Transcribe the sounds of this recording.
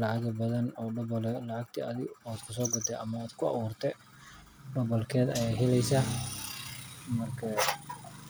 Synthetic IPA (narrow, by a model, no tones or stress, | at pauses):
lɑʕaɣɐbɐðɐnɔːɖɔbɔlɛlɐʕaɡ̚t̪ʰḭɐðɪaːd̪kʰʊsɔːɡɔd̪ɛʔɐmɐaːd̪̥kʰʊɑ̰ɣuːrt̪ʰɛ | ɖɔbɔlkʰɛːd̪ɐjajɦɛlɛjsaː | mɐrkʰɐ